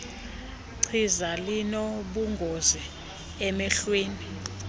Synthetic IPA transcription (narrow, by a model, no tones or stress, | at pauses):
ǀʰizalinɔɓuŋɡʱozi | ɛmɛɬweːni